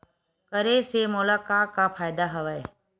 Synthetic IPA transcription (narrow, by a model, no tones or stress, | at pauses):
kɐɾesemoːlaːkaːkãfaːjd̪aɦɐʋəe